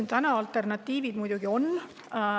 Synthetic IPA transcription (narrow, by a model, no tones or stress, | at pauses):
nt̪ænɑɑlt̪e̞rnɑt̪ːˑiːvid̪̥mujd̪uɡ̥io̞n